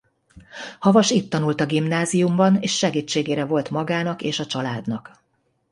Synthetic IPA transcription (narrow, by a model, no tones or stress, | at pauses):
hɒvɒʃiːt̪ːɒnult̪ɒɡimnaːzijumbɒneːʃʃɛɡiːt͡ʃːeːɡeːɾɛvo̞lt̪mɒɡaːnɒkeːʃɒt͡ʃɒlaːd̪nɒk